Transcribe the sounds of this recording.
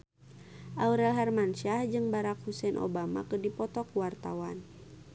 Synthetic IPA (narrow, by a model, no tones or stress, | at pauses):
ʔauɾɛlɦarmanʃahd͡ʒɨŋbaɾakhusɛnʔɔ̰bama̰kərdipɔt̪ɔkuwart̪a̰wan